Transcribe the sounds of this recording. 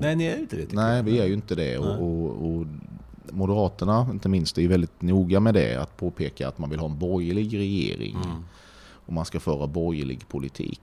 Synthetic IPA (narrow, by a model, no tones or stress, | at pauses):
nɛnɪæɾɪnt̪ədɛnɛɪvɪæɾjɵɪnt̪əd̪ɛ̰ɔʔɔɔ | mʊd̪əɾɑːt̪əɳaɪnt̪əmɪnst̪ɛjɵvɛld̪ɪt̪nuːɡamɛd̪ɛ̰a̰t̪pʰoːpʰeːka̰a̰t̪manvɪlɦɑːɛnbɔjəɭɪɡɾɛjḛːɾɪ̰ŋ | ɔmanskafœːɾabɔɾjlɪ̰ɡpʰʊlɪt̪ʰḭːk